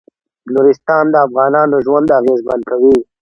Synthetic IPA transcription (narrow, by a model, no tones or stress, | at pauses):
nuɾɪst̪ɑːnd̪əafɣɑːnɑːnoʒwand̪aɣezband̪̚kʰawi